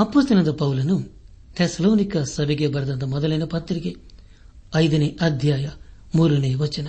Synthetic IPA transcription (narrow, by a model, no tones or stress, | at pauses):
ɐpːoːst̪ɐlɐnd̪ɐpɐwulunu | t̪ʰesɐloːnikɐsɐbeɡeːbɐɾɐd̪ɐnt̪ɐmɔd̪ɐlɐjnɐpɐt̪ːɾiki | ɐjd̪ɐniʔɐd̪ʱjaːjɐ | muːɾuneːʋɐt͡ʃːinɐ